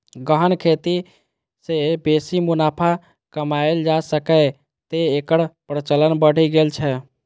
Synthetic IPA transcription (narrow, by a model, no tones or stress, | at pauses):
ɡəɦənkʰet̪i | sebesimunapʰa | kəmaeld͡ʒasəkə | t̪eːkəɽpɾət͡ʃələnbəɽ̤iɡelt͡ʃʰɛ